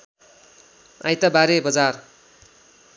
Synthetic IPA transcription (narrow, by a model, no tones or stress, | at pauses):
a̰jt̪abaɾebʌd͡zar